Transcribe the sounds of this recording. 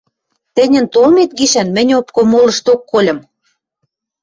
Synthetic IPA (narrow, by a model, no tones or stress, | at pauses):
t̪ɘ̆nʲɘ̆nt̪olmet̪̚ɡiʃænmɘ̆nʲopkomolɤ̆ʃt̪okːolʲɤ̆m